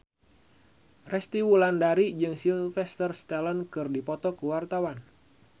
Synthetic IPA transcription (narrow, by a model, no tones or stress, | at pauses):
rɛst̪iwulandaɾid͡ʒɨŋsilfɛst̪ərst̪ɛlənkɨrdipɔt̪ɔkuwart̪awan